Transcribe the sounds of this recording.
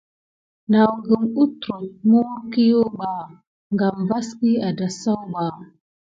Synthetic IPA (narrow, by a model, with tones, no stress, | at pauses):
na˨wɡə˨mu˦tɾo˨t̚mu˦wɾki˦jo˦ɡ͡ba˨ | ŋɡa˨mva˦ski˦a˨da˨sa˦wɡ͡ba˨